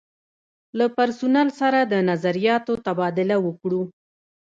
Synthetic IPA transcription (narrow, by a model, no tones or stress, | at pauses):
lapaɾsʊnalsaɾad̪ənazaɾijɑt̪ot̪abɑd̪ɪlawəkɽu